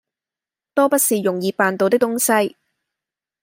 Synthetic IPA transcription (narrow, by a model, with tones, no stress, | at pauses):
t̪ɔː˥pɐ˥t̚siː˨jʊ˨˩ŋjiː˨˧paː˨nt̪o˨wt̪ɪ˥k̚t̪ʊ˥ŋsɐ˥j